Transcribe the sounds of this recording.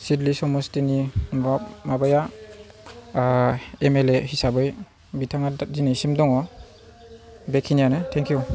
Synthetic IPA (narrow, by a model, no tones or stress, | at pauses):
sidlisɔmɔstinibamabaja | emelehisabɯj | bitʰaŋadinajsimdɔŋɔ | bekʰinijanɯtʰɛŋkʰiju